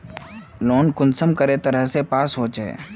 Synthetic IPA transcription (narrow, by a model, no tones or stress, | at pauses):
loːnkʊnsəmkəɾet̪əɾəɦsepaːsɦoːt͡ʃɛ̰ː